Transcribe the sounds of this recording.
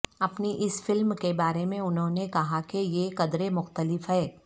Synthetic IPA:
ɐpniʔɪsfɪlmkebaːɾemẽʊnɦõnekɐɦakejekɐd̪ɾemʊxt̪əlɪfɦɛː

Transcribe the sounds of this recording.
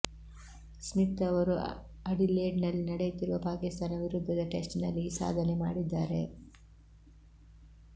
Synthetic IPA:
smit̪ːɐʋɐɾu | ɐɽileːɖnɐlːinɐɽejut̪iɾuʋɐpaːkist̪aːnɐʋiɾud̪ʱːɐd̪ɐʈe̞sʈnɐlːisa̰ːd̪ʱɐnemaːɽid̪ːaːɾe̞̰

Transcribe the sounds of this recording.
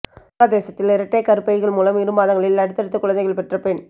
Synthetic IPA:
ad̪eːsɐt̪ːɪlɪɾɐʈːɐɪkːɐɾɯpːɐjɣɐɭmuːlɐmɪɾɯmaːðɐŋɡɐɭɪlɐɽɯt̪ːɐɽɯt̪ːɯkːʊɻɐnd̪ɐɪɣɐɭpɛʈrɐpɛɳ

